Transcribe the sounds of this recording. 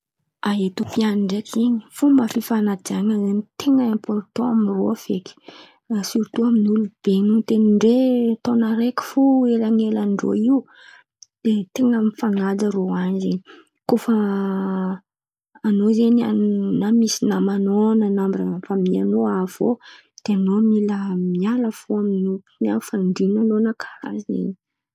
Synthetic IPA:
aɦet̪upianiɳɖ͡ʐekʰiɲi̥fomafifanad̪iaɲazenit̪eŋəempɔrt̪oamiro̰afeki̥ | asuɾt̪uaminulub̥eɲut̪eniɳɖ͡ʐet̪onəɾeki̥fuelaŋelanɖ͡ʐo̰iw | d̪̥et̪eŋəmifaŋad͡zəɾoanzeɲi | kofa | nozenia̰namisinamanonənambrafamianoav̥o̰ | d̪̥eanomiləmialəfuaminupinafaɳɖ͡ʐinanonəkʰḁɾa̰zḛɲ

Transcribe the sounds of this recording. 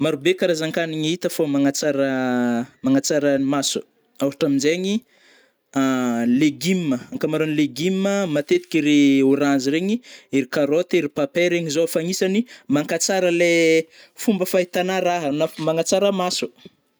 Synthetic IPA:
maɾubekaɾazaŋkaniɲiit̪əfomaŋat͡saɾəmaŋat͡saɾaimasu | awɾiʈ͡ʂaminzeɲi | aleɡimːəaŋkamaɾonileɡimːəmat̪et̪i̥kʲiɾeuɾanziɾeɲiiɾikaɾot̪eɾipapeɾeɲizofaŋisanimaŋkat͡saɾəle | fumbəfaɦit̪anaɾaɦanafmaŋat͡saɾəmasu̥

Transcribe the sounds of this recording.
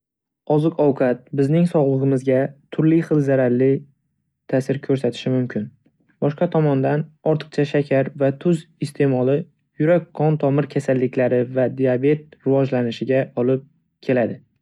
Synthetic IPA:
ɒzɨqɒwqʰɑt̪̚bɪznɪŋsɒʁlˠɨʁɨmɪzɡʲat̪ʰʊɾlɪχɨlˠzaɾaɾlɪ | t̪ʰasɪɾkʰɵɾsat̪ʰɪ̥ʃɪmʊmkʲʰɪn | bɒʃqɑt̪ʰɒmɒnd̪anɒɾt̪ʰɨ̥qt͡ʃʰaʃakʲʰaɾvat̪ʰʊzɪst̪ʰe̞mɒlˠɪ | jʊɾak̚ʲqɒnt̪ʰɒmɪɾkʲʰasalːɪkʲʰlaɾɪvad̪iabe̞t̪̚ɾɪvɒd͡ʒlanɪʃɪɡʲaɒlˠɪp̚ | kʲʰe̞lad̪ɪ

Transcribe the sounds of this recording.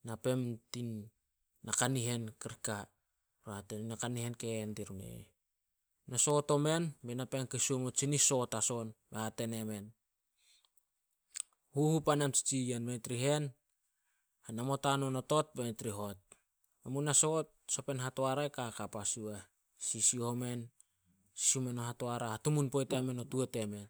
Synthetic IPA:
nape̞mtinː | akaniɦe̞nkiɾika | ɾohatennakanihe̞nkendiɾunḛ | naso̞to̞me̞nbenapenkesuomot͡ʃiniso̞taso̞nbehate̞neme̞n | huhupanemt͡ʃi̥t͡ʃijenmetɾiɦe̞n | hanamo̞tanono̞tot̚betɾiɦo̞t̚ | memunasot̚so̞pe̞nɦatoaɾaekakapasue | sisiome̞n | si̥siome̞noɦatoaɾahatumunpojteamenotuete̞me̞n

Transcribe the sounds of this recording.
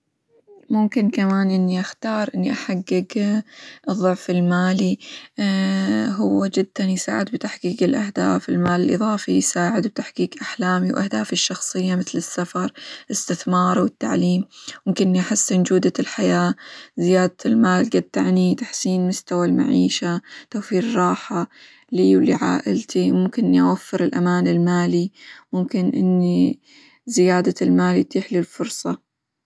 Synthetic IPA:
mʊmkɪnkamaːnʔɪnːiʔaxt̪ɑːɾˤʔɪnːiʔaħaɡːɪɡ | ʔɨðˤːʊʕfɪlmaːli | ɦʊwːad͡ʒɪd̪̥ːanjsa̰ːʕɪd̪bt̪aħkiːɡɪlʔahd̪a̰ːfɪlmaːlɪlʔɨ̰ðˤɑːfijsaːʕɪd̪wt̪aħkiːkʔaħlaːmiwʔahd̪aːfɪʃːɑxsˤɨjːamɪθlɪsːafɑɾˤʔɪst̪ɪθmɑːɾˤwɪt̪ːa̰ʕliːmmʊmkɪnʔɪnːiʔaħɪsːɪnd͡ʒuːd̪alħajaːzɪjaːd̪aɪlmaːlɡad̪̚t̪aʕnit̪aħsiːnmʊst̪awalma̰ʕiːʃat̪awfiːɾrˤɑːħa | liːwlḭʕa̰ːʔɪlt̪imʊmkɪnʔɪnːiʔawafːɪɾɪlʔamaːnɪlmaːlimʊmkɪnʔɪ̰nːi | zɪjaːd̪almaːljt̪iːħlɪlfʊɾsˤɑ

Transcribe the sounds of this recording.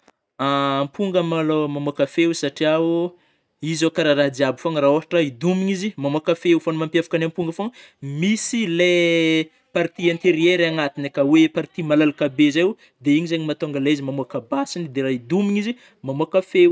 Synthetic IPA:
ampuŋɡəmalomamuakəfewsaʈ͡ʂiau | izokaɾaɾad̪iabifoŋɾaoɦaʈ͡ʂaid̪umiɲizimamuakəfeufanumampjafḁkanampuŋɡəfoŋ | misile | paɾt̪iãnt̪eɾieɾaŋat̪inekəwepaɾt̪imalalukabezawu | d̪eiɲizeɲimat̪oŋɡəleaizimamuakabasinid̪eɾaid̪umiɲizi | mamuakəfew

